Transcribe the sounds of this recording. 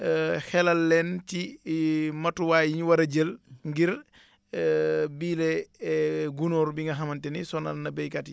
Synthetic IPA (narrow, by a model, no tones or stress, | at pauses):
hɛlɐlːɛnti | mɐtːuwaːjiɲwɐɾɐɟəlŋɡiɾ | biːlɛ | ɡunɔɾbiŋɡɐɦɐmɐntɛnisɔnɐlnɐbɛjkati